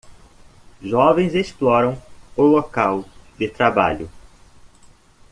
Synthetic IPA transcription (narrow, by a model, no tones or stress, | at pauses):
ʒɔvẽj̃zesplɔɾɐ̃w̃ʊlokawd̪ɪt̪ɾaba̰ʎʊ